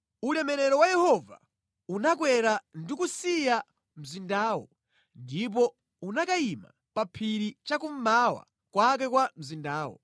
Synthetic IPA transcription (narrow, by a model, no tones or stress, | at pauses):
ulɛmɛɾɛɾɔwajɛhɔva̰ | unak̬wɛɾandikusija | m̩zindaːwɔ | ndip̬ɔ | unakaima̰ | papʰiɾit͡ʃakum̩mawa̰ | kwak̬ɛkwam̩zindaːwɔ̰